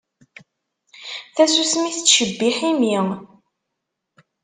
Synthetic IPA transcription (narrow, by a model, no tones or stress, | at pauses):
θæsusmiθət͡sːʃəbːiħimiŋ